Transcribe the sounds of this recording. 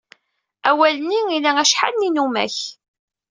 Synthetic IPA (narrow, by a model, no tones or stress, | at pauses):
æwæləniilææʃħa̰lninumæ̰ç